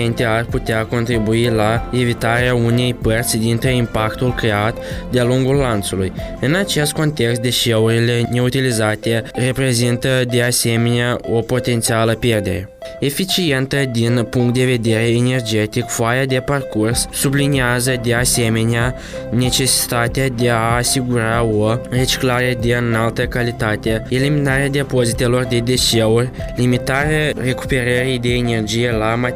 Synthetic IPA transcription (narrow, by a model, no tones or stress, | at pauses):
ent̪e̞arput̪eako̞nt̪ɾibuilae̞vit̪aɾeaune̞jpərt̪sʲd̪int̪ɾeimpakt̪ulkɾe̞at̪d̪ealuŋɡulːant̪sulujɨnat͡ʃe̞st̪̚ko̞nt̪e̞kst̪d̪e̞ʃe̞uɾile̞ne̞ut̪ilizat̪e̞re̞pɾe̞zint̪əd̪e̞ase̞me̞neao̞po̞t̪e̞nt̪sialəpje̞rd̪e̞ɾe̞ | e̞fit͡ʃie̞nt̪əd̪inpuŋkt̪̚d̪e̞ve̞d̪e̞ɾe̞ːne̞rd͡ʒe̞t̪ikfoajad̪e̞parkursːubliniazəd̪e̞ase̞me̞nea | ne̞t͡ʃe̞si̥t̪at̪ead̪e̞aːsiɡuɾao̞re̞t͡ʃi̥klaɾe̞d̪e̞ɨnalt̪əkalit̪at̪eeliminaɾead̪epo̞zit̪e̞lo̞rd̪e̞d̪e̞ʃeurʲ | limit̪aɾeare̞ku̥pe̞ɾəɾijd̪e̞ːne̞rd͡ʒije̞lama